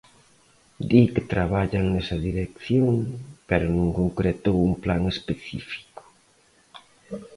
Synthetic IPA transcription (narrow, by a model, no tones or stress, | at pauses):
d̪ikɪt̪ɾaβaʎaŋnɛsɐðiɾekθjoŋpeɾʊnũŋkoŋkɾet̪owuŋplaŋespeθḭfi̥kʊ̥